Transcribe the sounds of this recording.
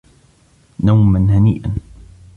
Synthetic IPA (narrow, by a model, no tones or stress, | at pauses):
nawmanhaniːʔan